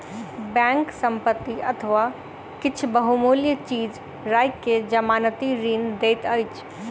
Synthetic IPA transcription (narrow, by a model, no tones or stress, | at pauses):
bɛ̃ːŋksə̃mpət̪ːiɐt̪ʰəʋaː | kɪt͡ʃʰbɐɦumoːljət͡ʃiːd͡ʒ | ɾaːjkːed͡ʒɐmaːnət̪iɾiːnd̪eːt̪əjt͡ʃʰ